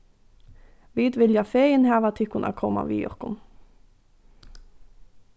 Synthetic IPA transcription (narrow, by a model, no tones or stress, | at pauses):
ʋiːd̪ʋɪljafeːjɪnɦæːʋat̪ʰɪhkʊnʔa̰kʰɔːma̰ʋḭːɔ̰hkʊn